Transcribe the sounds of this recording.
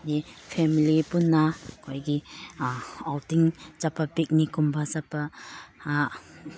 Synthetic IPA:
dipʰemilipunːakʰojɡi | awtiŋt͡ʃapʰapik̚nikumbʰʱasapʰaː

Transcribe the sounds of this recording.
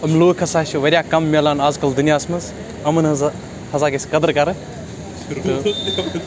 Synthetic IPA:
ɐmloːkʰɐsaːʃuʋɐɾʲjaːkɐmːɐlaːnaːzkɐld̪unijaːsmɐz | ɐmɐn | hɐzaːkesʲkɐd̪ɐɾkɐɾɨ | t̪o

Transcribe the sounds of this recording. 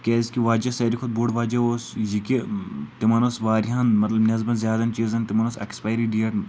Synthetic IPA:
kʲeːskiʋaːd͡ʒɐsɐɾikʰud̪̚boːɖʋaːd͡ʒɐosjikit̪imɐnosʋaːɾiɦɐnmɐt̪lɐbnʲɐzbɐnzʲjaːd̪ɐnt͡ʃiːzɐnt̪imɐnosɐ̰kspaːjɾiɖiɐʈ

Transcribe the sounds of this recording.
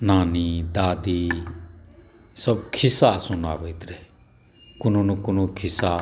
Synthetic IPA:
naːnid̪aːd̪iː | sɐbkʰɪsasʊna̰ːʋeit̪ɾɛ | kʊnonukʊnokʰɪsa

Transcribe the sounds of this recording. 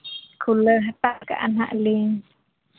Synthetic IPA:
kʰuləɦat̪aʔka̰ʔa̰nha̰ʔliŋ

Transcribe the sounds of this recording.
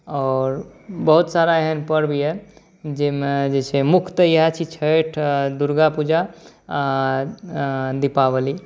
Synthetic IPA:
ɔːɾbəɦut̪saɾaɦenpəɾbʱie | d͡ʒemed͡ʒet͡ʃʰemukʰt̪əjəɦat͡ʃʰit͡ʃʰəʈʰd̪uɾɡapud͡ʒa | d̪ipaβəli

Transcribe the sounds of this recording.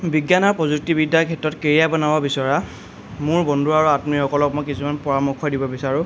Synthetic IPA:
biɡjanɔɹpɔzuk̚tibidːakʰɛtːɔtkeɹijabɔnababisɔɹa | mʊɹbɔndʱuɹaɹuatmixɔkɔlɔk̚mɔjkisumanpɔɹamɔkʰːɔdibɔbisaɹʊ̃

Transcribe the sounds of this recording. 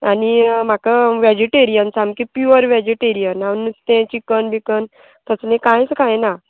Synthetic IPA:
anim̤akəʋɛd͡ʑiʈeɾijənsamkipjuəɾʋɛd͡ʑiʈeɾijənawnːust̪ẽt͡ɕikənbikən | t̪əslẽkãjt͡skãjna

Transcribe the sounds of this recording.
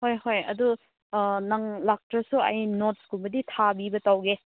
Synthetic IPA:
hojɦojɐ̰du | naŋlak̚tɾɐsuɐ̰jnot̚skubɐditʰabibɐtawɡe

